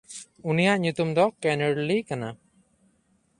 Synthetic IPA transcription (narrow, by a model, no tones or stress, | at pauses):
unijaʔɲut̪umd̪ɔkɛnɛɾlikana